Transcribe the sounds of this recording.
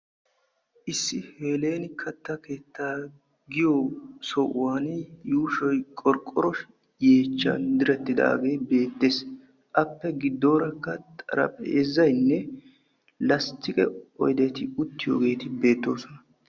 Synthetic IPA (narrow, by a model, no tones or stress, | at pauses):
ʔɪsːɪhe̞ːle̞ːnkʰɐt̪ːɐke̞ːt̪ːaː | ɡɪjosɔʔʊwaːnjuːʃɔjkʼɔɾkʼːɔɾɔʃ | je̞ːt͡ʃːɐ̰nd̪ɪɾɛt̪ːɪd̪a̰ːɡe̞ːbe̞ːt̪ːeːs | ʔɐpːɛɡɪd̪ːo̞ːɾɐkːɐt̪ʼɐ̰ɾɐ̰pʼeːzɐjnːɛ | lɐst̪ːɪkʼɛ̰ɔ̰jd̪ɛt̪ɪʊt̪ːɪjo̰ːɡe̞ːt̪ɪbe̞ːt̪ːo̞ːsɔnɐ